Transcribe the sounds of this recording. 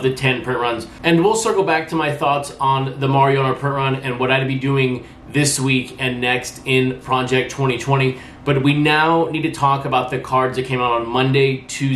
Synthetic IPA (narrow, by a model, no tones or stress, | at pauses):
vðɨtʰɛ̃npʰɹ̥ɪ̃nʔɹʌ̃nz | ɨ̃nwilˠsɜ˞kl̩ˠbæk̚tʰəmaɪθɔtsn̩ðəmɑɹiõñə˞pʰɹ̥ɪ̃ntɹʌ̃nɨ̃nwʌɾaɪɨd̚bidʉɪ̃ŋ | ðɪswikɨ̃nːɛkstɪ̃npʰɹ̥ɑd͡ʒɛk̚tʰw̥ɛ̃ɾ̃itʰw̥ɛ̃ɾ̃i | b̥ʌt̚winaʊnid̚tʰɨtʰɔkəbaʊt̪̚ðɨkʰɑɹdzðɨt̚kʰẽɪ̃məɾ̃n̩mʌ̃ndeɪtʰʉ